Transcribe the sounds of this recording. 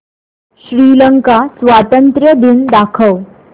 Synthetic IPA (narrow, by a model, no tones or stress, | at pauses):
ɕɾiːləŋkasʋat̪ənt̪ɾjəd̪ind̪akʰəʋ